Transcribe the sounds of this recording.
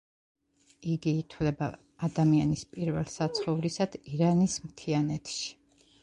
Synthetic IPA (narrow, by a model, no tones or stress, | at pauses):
iɡiːt̪ʰwlɛba̰ː | d̪amianispʼiɾvɛ̰lˠsat̪sʰχɔvɾisad̪̥iɾanismt̪ʰianɛt̪ʰʃi̥